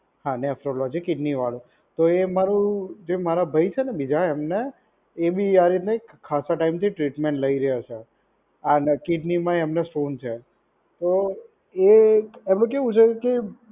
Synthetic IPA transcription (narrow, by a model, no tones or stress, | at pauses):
hãnefɾolɔd͡ʒikɪɖniʋalũ | t̪oemaɾũd͡ʒemaɾabʱəjt͡ʃʰenebid͡ʒaemneː | biaɾit̪neːkʰːasaʈaimt̪ʰiʈɾiʈmẽɳʈləiɾəjat͡ʃʰe | ankiɖnimãemnesʈont͡ʃʰe | t̪o | eemũkeʋũt͡ʃʰeke